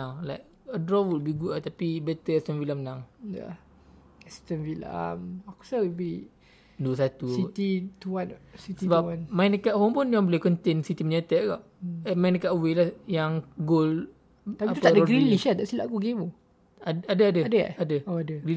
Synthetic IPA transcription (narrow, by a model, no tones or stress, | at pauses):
aŋlajk̚ | ədɾɔwələbihɡuʔaʔt̪apibɛt̪əɛst̪ənfiləmnaŋja̰ | ɛst̪ənfila̰maku̥saibi | duəs̬at̪uit̪it̪uansisiəbaanmajnəkaʔhompunaŋbolekɔnt̪ensit̪iməɲat̪əʔɡaʔ | əmaĩnəkaʔwelahjaŋɡol | apiait̪upt̪adəɔɡɾiliʃat̪aʔsila̰ʔkuɡemu | aadəadəadəa̰adəoadəɡɾi